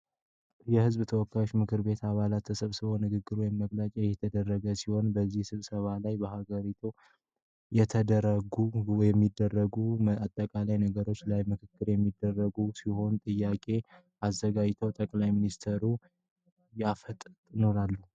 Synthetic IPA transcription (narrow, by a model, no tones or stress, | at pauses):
jɛhɨzbt̪ʰəwɔkːajo̞t͡ʃːmɨkʰɨɾbe̞t̪ʰaβalat̪əsɨβsɨβo̞nɨɡɨɡːɨɾwjɛmːəɡlat͡ʃʼɛjɛt̪ʰəd̪ərːəɡəsiho̞nbəzːihsɨβsəβalajbəhaɡəɾit̪ʰu | jɛt̪ʰəd̪əɾəɡujɛmːid̪ːərːəɡuat̪ʼːəkʼalajnəɡəɾo̞t͡ʃːlajmɨkʰɨkːɨɾjɛmːid̪ːərːəɡusiho̞nt̪ʼɨjːakʼe̞ | azːəɡad͡ʒt̪ʰəwt̪ʼəkʼlajminist̪ʰeɾu | jafət̪ʼt̪ʼnoɾalːu